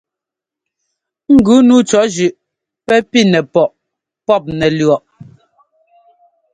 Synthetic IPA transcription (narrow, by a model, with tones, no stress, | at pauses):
ŋ̩˨ɡʉ˨˦nuː˨˦t͡ʃɔ˨˦d͡ʒʉ˨ʔ | pɛ˦pi˦nɛ˨pɔ˨ʔ | pɔ˦˨p̚nɛ˨lɥɔ˨ʔ